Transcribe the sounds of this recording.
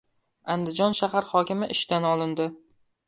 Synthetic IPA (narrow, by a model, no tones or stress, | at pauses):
and̪ɪd͡ʒɒnʃaɦaɾhɒkʲɪmɪʔɪʃt̪anɒlˠɪnd̪ɪ